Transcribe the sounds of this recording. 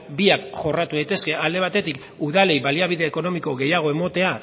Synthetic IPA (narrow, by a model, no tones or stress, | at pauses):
biakʝo̞rat̪uðajt̪e̞ske̞ʔald̪e̞β̞at̪e̞t̪ik | uðale̞jβaliaβ̞iðe̞ːko̞no̞miko̞ɣe̞jaɣ̞o̞e̞mo̞t̪e̞a